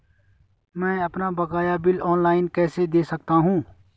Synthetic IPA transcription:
mɛ̃ːɐpnabɐkaːjabɪlɔːnlaːɪnkɛːsed̪eːsɐk̚t̪aɦũː

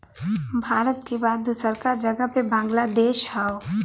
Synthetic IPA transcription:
bʱaːɾət̪kebaːd̪ːusəɾkaɾd͡ʒəɡəpebãːŋɡlad̪eːʃɦao

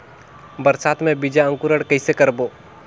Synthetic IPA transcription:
bɐɾsaːt̪mẽbid͡ʒaə̃ŋkʊɾəɽkəɪsekɐɾboː

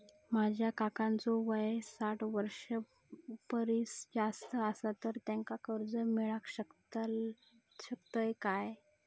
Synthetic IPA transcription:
mad͡ʑʱjakakãnt͡soʋəjesaʈʰʋəɾʂə | pəɾisd͡zast̪əəsat̪əɾt̪jaŋkakəɾd͡zəmiɭakɕəkt̪ | ɕəkt̪əjkaj

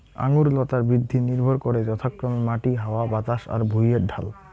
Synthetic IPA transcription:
a̰ŋuɾlɔt̪aɾbɾid̪ʱːiniɾbʱɔɾkɔɾed͡ʑɔt̪ʰakɾɔmemaʈiɦaoabat̪aʃa̰ɾbʱujeɖʱa̰l

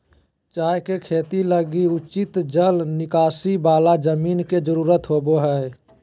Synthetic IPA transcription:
t͡ʃaːekekʰeːt̪iləɡiʊt͡ʃɪt̪d͡ʒəlnɪkaːsibaːlad͡ʒəmiːnked͡ʒəɾuːɾət̪ɦoːboɦɛe

